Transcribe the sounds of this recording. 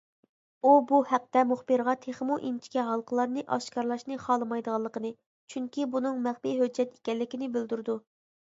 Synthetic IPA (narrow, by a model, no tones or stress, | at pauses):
ubuhæq̚t̪ɛmuχbɨɾʁɑt̪ʰeχmuʔint͡ʃʰi̥kʲɛɦɑlˠqʰəlˠɑɾnɨʔɑʃkɑɾlˠɑʃnɨχɑlˠɨmɑjd̪əʁɑlˠːəqənɨ | t͡ʃʰyŋkʲibunɨŋmæχpijɦød͡ʒːɛt̪e̥kʲɛlːɪkʲinɪbɪld̪yɾd̪u